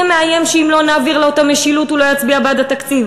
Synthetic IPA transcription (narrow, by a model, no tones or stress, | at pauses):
meaje̞mʃeimlo̞naːviʁleotameʃilutulo̞jat͡sbiabad̪at̪akt͡siv